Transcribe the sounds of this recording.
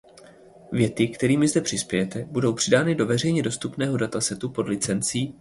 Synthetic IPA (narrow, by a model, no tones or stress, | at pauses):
vjɛt̪ɪkt̪ɛɾiːmɪzdɛpr̝̥ɪspjɛjɛt̪ɛbudo̞wpr̝̥ɪdaːnɪdo̞vɛr̝ɛjɲɛdo̞st̪upnɛːɦo̞dat̪asɛt̪upo̞dlɪt͡sɛnt͡siː